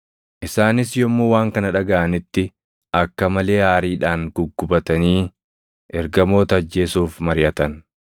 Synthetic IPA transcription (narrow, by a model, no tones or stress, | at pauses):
ʔɪsaːnɪsjɔmːuːwaːŋkɐnɐᶑɐɡɐʔɐnɪt̪ːɪ | ʔɐkːɐmɐle̞ːhaːɾiːᶑaːŋɡ̥ʊɡːʊbɐt̪ɐniː | ʔɛɾɡɐmo̞ːt̪ɐːd͡ʒːe̞ːsuːfmɐɾɪʔɐt̪ɐn